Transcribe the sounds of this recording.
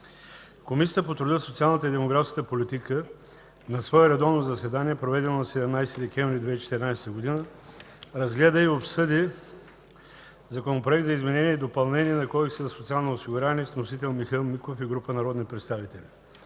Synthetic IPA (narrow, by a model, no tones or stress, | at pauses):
komisijət̪əpot̪ɾʊd̪əsot̪sialˠnət̪əid̪ɛmoɡɾafskət̪əpolit̪ikə | nɐsvɔɛɾɛd̪ɔvnozɐsɛd̪aniɛpɾovɛd̪ɛnonɐsɛd̪ɛmnajst̪id̪ɛkʲɛ̃ɱvɾid̪vɛit͡ʃɛ̥t̪ɛɾnajsɛt̪əɡod̪inə | ɾɐzɡlɛd̪əiopsɤd̪i | zɐkɛmopɾoɛk̚t̪zɐizmɛnɛniɛid̪opɐlˠnɛniɛnɐkɔjsɛzɐsot̪sialˠnoosiɡuɾaniɛsnosit̪ɛlˠmixilˠmikofiɡɾupənɐɾɔd̪nipɾɛt̪st̪avit̪ɛli